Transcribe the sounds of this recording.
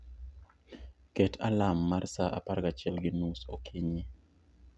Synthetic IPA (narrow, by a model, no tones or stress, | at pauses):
ketʰalamːarsaʔa̰parɡat͡ʃɛlɡɪnusokʰiɲi